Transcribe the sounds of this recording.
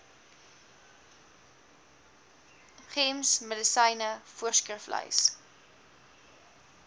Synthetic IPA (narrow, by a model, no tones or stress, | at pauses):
χemsmədəsəjnəfuərskrəflə̰js